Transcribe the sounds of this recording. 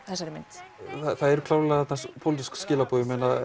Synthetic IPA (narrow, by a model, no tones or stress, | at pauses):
θɛsaɾɪmɪnt̪aθaðɛɾʏkʰlawllaat̪naspʰowlɪt̪iskscɪːlapɔːðɪmeːna